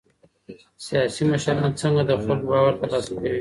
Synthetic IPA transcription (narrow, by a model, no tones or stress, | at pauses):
sijɑsiməʃaɾɑnt͡səŋɡad̪əxalɡbɑwaɾt̪alɑsakawi